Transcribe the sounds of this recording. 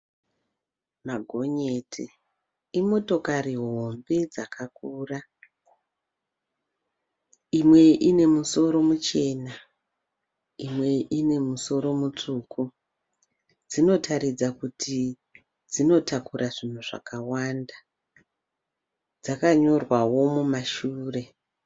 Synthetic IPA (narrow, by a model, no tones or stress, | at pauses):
maɡʱo̞ɲe̞ːtʰi | imo̞to̞kariɦɦo̞mbe̞d͡zakʰakuːra | imwe̞ʔine̞muso̞ɾo̞mut͡ʃe̞ːna | imwe̞ʔine̞muso̞ɾo̞mut͡ʂuːku | d͡zino̞tʰaɾid͡zakutʰi | d͡zino̞takurʔaʐin̤uʐa̰kawanda | d͡zakaɲo̞rwawo̞mumaʃuːre̞